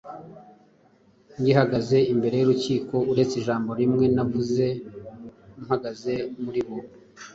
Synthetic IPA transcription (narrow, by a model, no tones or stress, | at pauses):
ŋɡihaɡaze̞imbe̞ɾe̞juɾuciːko̞uɾe̞t͡siʒaːmbo̞ɾimŋe̞navuze̞ | umhaɡaze̞muɾiβo